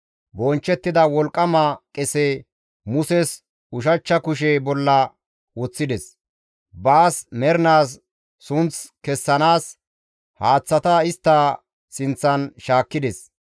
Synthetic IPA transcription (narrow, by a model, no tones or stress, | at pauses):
bɔnt͡ʃːɛt̪ːɪd̪ɐwɔlkʼːɐmɐkʼɛsɛ | mʊsɛs | ʊʃ̬ɐt͡ʃːɐkʊʃ̬ɛbɔlːɐ | wɔt͡sːɪd̪ɛs | baːsmɛɾnaːsː | ʊnt͡skɛsːɐnaːs | haːt͡sːɐt̪ɐɪst̪ːɐ | sɪnt͡sːɐnʃaːkːɪd̪ɛs